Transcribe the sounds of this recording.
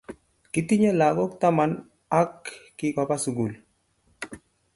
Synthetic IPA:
ki˦ti˦ɲe˦la˨ɡɔ˦kta˦ma˨n | a˦kː | ɪkɔ˨pa˦su˨ɡu˨l

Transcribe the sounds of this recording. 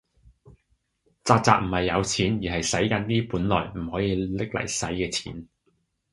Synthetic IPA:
t͡saː˧k̚t͡saː˧k̚m̩˨˩hɐ˨jːɐ˨˧wt͡sʰiː˨˥njiː˨˩ɦɐ˨jsɐ˨˥jkɐ˨˧nt̪iː˥puː˨˥nlɔː˨˩jm̩˨˩hɔː˨˥jiː˧lɪ˥k̚lɐ̰˨˩jsɐ̰˨˥jkɛː˧t͡sʰiː˨˥n

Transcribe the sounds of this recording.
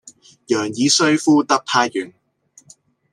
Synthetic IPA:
jœː˨˩ŋjiː˨˧sɵ˥ɥfuː˥t̪ɐ˥k̚pʰaː˥jyː˨n

